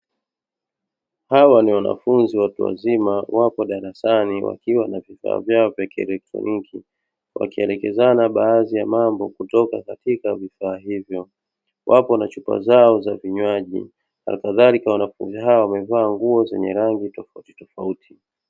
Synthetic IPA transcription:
hawaniwana̰funziwatuwa̰zimawapɔɗaɾasaniwʔa̰kiwanavifa̰ːvjaɔvjakiɛ̰lɛk̚tɾɔ̰niki | wʔa̰kiɛlɛkɛzanaɓaːzijamambɔkutɔkakatikavifaːɦivjɔ | wʔapɔnat͡ʃupa̰zaɔzaviɲwaʄḭ | ha̰kaðalikawanafṵnziɦawawamɛvaːŋɡuɔzɛ̰ɲɛ̰ɾaŋɡitɔfauti̥tɔfautʰi̥

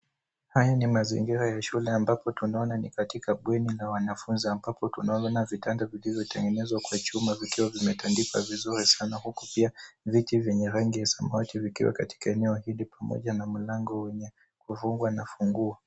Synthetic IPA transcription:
hajanimazḭŋɡiɾajaʃulɛambapɔtunaɔnanikatikaɓwɛnilawanafunziambapɔtunaɔɔnavitandavilivjɔtɛŋɡɛnɛzwakwat͡ʃumavikiwavimɛtʰandika̰vizuɾisanahuku̥piavitivjɛɲɛɾaŋɡijasamaativikḭwa̰kati̥kaɛnɛɔhilipamɔ̰ʄanam̩laŋɡɔwɛɲɛ | kuvuŋɡwanafuŋɡua

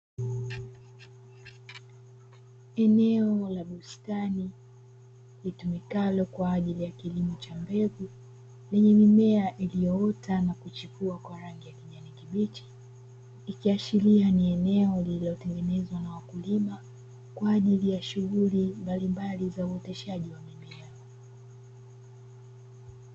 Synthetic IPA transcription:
ɛnɛɔlaɓustani | litumikalɔkwaːʄilijakilimɔt͡ʃambɛvu | lɛɲɛmimɛaʔilijɔɔtʰanakut͡ʃikuakwaɾaŋɡijakiɲanikiɓit͡ʃi̥ː | kiat͡ʃilianiɛnɛɔlililɔtɛŋɡɛnɛzwanawakulima | kwaːʄilijaʃuɣulimbalimbalizauɔtɛʃaʄiwamimilɛɔ

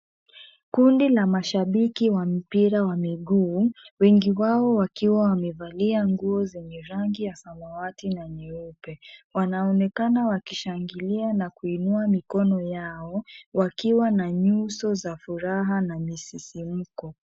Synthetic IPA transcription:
kundilamaʃaɓikiwam̩piɾawamiɠuːwɛŋɡiwaɔwakiwawamɛvaliaŋɡuɔzɛɲɛɾaŋɡijasamawatinaɲɛupɛwanaɔnɛkanawakiʃaŋɡilianakuinuamikɔnɔjaɔwakiwanaɲusɔzafuɾaɦanamisisim̩kɔ

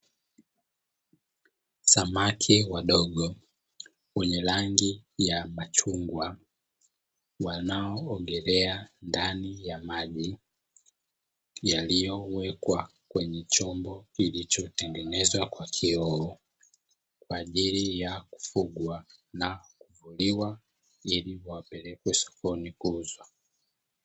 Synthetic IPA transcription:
samakʰiwaɗɔɠɔ | wɛɲɛlaŋɡijamat͡ʃuŋɡwa | wanaɔːɡɛɾɛandanijamaʄi | jalijɔwɛkwa | kwɛɲɛt͡ʃɔmbɔilit͡ʃɔtɛŋɡɛnɛzwakwakʰiɔɔ | kwaːʄilijaku̥fuɡwanakuvuliwa | iliwapɛlɛkwɛsɔ̥kɔnikuzwa

